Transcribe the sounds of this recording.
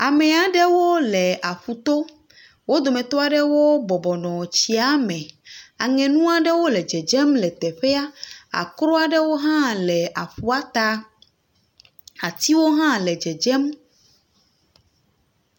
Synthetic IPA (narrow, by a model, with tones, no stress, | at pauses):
a˨mɛ̃˨a˨ɖɛ˦wo˦lɛ˨ʔa˨ɸu˨t̪o˦ | wo˦d̪o˨mɛ̃˨t̪o˦a˨ɖɛ˦wo˦bɔ˨bɔ˨nɔ̃˨t͡ɕi˨˦a˦mɛ̃˨a˨ŋɛ̃˨nũ˦a˨ɖɛ˦wo˦lɛ˨d͡ʒɛ˨d͡ʒɛ˦mlɛ˨t̪ɛ˨ɸɛ˦a˦a̰˨kɾo˦a˦ɖɛ˦wo˦ɦã˦lɛ˨ʔa˨ɸu˦a˦t̪a˦ | a˨t̪i˦wo˦ɦã˦lɛ˨d͡ʒɛ˨d͡ʒɛ˦m